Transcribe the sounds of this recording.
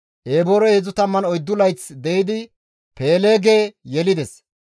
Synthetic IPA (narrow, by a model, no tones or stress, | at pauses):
ʔeːboɾɔezʊt̪ɐmːɐnɔjd̪ːʊlɐjt͡sd̪ɛjɪd̪ɪ | pe̞ːleːɡe̞ːjɛlɪd̪ɛs